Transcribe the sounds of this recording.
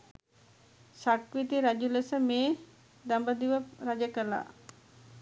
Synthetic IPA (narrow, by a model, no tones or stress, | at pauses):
sakʋit̪iɾad͡ʒuləsəmeː | d̪ambəd̪iʋəɾad͡ʒəkəla̰